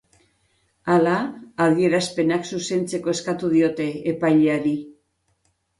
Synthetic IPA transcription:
alaːðie̞ɾaspe̞naksuse̞nt͡se̞ko̞e̞skat̪uð̞io̞t̪e̞ːpajʎeaɾi

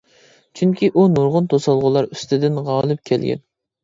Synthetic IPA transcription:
t͡ʃʰyŋkʲʰiʔunuɾʁʊnt̪ʰosɑlˠʁʊlˠɑɾyst̪ɪd̪ɪnʁɑːlˠɨp̚kʲʰɛlɡʲɛ̰n

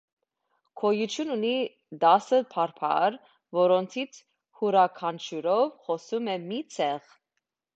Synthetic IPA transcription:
kʰɔjut͡ʃʰjununi | d̪ɑsəpʰɑɾpʰɑ̰ɾ | vɔɾɔnt̪ʰit͡sʰ | huɾɑkʰɑnt͡ʃʰuɾɔvχɔsumɛmit͡sʰɛʁ

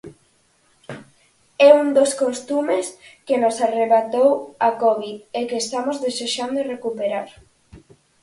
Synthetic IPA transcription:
ɛund̪oskost̪umeskenosareβat̪owakɔβiðekest̪amozðeseʃand̪orekupeɾaɾ

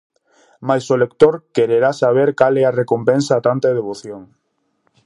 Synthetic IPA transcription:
majsolekt̪oɾkeɾeɾasaβ̞eɾkalɛarekompɛnsaːt̪ant̪aeð̞eβoθjoŋ

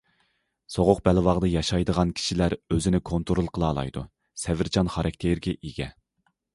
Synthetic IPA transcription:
soʁʊq̚bɛlvɑʁd̪ɨjɑʃɑjd̪əʁɑnkʲʰi̥ʃilæɾøzɪnɪkʰont̪ʰoɾolˠqʰəlˠɑːlˠɑ̰jd̪u | sɛvɪɾd͡ʒʰɑnχɑɾʔɑk̚ʲt̪ʰeɾɡʲɛʔiɡʲɛ

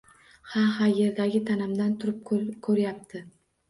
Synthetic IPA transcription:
hahaje̞ɾd̪aɡʲɪt̪ʰanɪmd̪ant̪ʰʊɾɪp̚kʰɵɾjap̚t̪ʰɪ

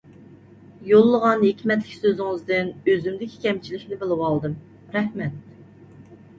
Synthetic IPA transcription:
jolˠːəʁɑnɦekʲʰmɛt̪lɪkʲsøzɪŋɨzd̪ɪnøzymd̪ɪkʲʰi̥kʲʰɛmt͡ʃʰilɪkʲnɪbɪlˠɨwɑlˠd̪ɨm | ɾɛhmɛt̪̚

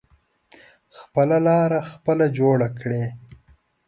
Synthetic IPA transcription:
xpəlalɑːɾaxpəlad͡ʒoɽakɽe

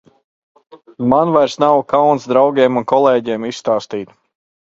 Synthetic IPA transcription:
manvajɾsnawkawnsd̪ɾawɡʲeɛmunkɔlˠeːɟeːmisst̪aːst̪iːt̪

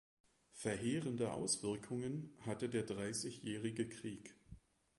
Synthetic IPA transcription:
fɛɐɦeːʁəndəʔa̰ʊsv̥ɪɐkʰʊŋənhatədeːɐdʁaɪsɪçjɛːʁɪɡəkʁ̥iːk

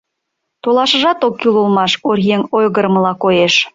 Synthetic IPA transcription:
t̪olˠɑʃə̆ʒɑt̪okːylulˠmɑʃorjeŋojɣəɾməlɑkojeʃ

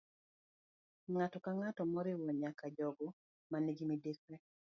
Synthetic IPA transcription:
ŋatɔkaŋatɔmɔɾɪwɔɲakad͡ʒɔɡɔ | maneɡimidekɛ

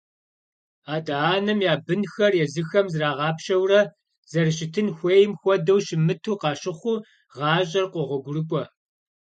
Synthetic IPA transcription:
aːdaaːnɐmjaːbɨnxɐrjɛzɨxɐmzraːʁɑːpʃɐwrɐ | z̥ɐrɨɕɪtʰɨnxʷejɪmxʷɔdɐwʃɪmɨtʰuːqɑːɕɪχʷʊ | ʁɑːɕʼɐrqʷɔʁʷɔɡʷʊrɨkʷʼɔ

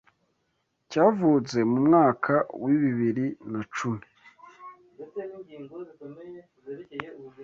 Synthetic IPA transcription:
caːvuːt͡se̞mumŋaːkʰawiβiβiɾinat͡ʃume

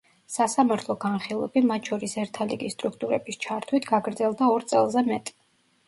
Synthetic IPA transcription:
sasamaɾt̪ʰlˠɔɡanχilˠɛ̰bimat̪ʰʃɔɾisɛɾt̪ʰalḭɡisːt̪ʼɾukʰt̪ʼuɾɛbist͡ʃʰaɾt̪ʰwit̪ʰɡaɡɾd̪zɛlˠd̪aɔɾt̪sʼɛ̰lˠzɛmɛt̪ʼ

